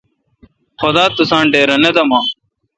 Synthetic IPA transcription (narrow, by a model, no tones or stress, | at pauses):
xʊd̪aːt̪ʊsãːɳɖeːɾɐned̪ɐmãː